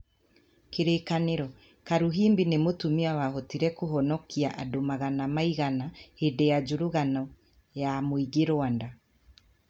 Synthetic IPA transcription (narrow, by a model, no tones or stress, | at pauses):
keɾekaneɾɔ | kaɾuɦiːmbinemotumiawahɔtiɾɛkoɦɔnɔkʰiaʔadomaɣanamaiɣanahedejad͡ʒuɾuɣanɔ | jamoiɡeɾoanda